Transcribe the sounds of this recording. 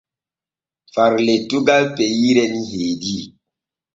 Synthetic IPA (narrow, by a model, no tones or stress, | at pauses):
faɾletuɡalpejiɾɛnihedi